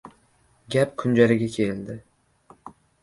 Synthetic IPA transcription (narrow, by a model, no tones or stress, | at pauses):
ɡʲap̚kʰʊnd͡ʒalɪɡʲakʲʰeld̪ɪ